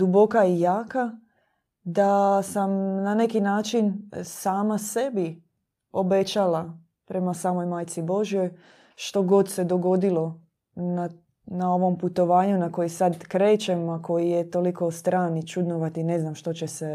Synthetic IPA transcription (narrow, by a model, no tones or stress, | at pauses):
d̪ubo̞kaijaːka | d̪asamnane̞kinaːt͡ʃinsaːmase̞bi | o̞bet͡ʃala | pɾe̞masaːmo̞jmaːjt̪sibo̞ʒijo̞j | ʃt̪o̞ɡo̞d̪se̞d̪o̞ɡo̞d̪ilo̞ | na | nao̞ʋo̞mput̪o̞ʋaːɲunako̞jisad̪kɾe̞ːt͡ʃemako̞jijet̪oliko̞st̪ɾaːnit͡ʃud̪noʋat̪ine̞znamʃt̪o̞t͡ɕese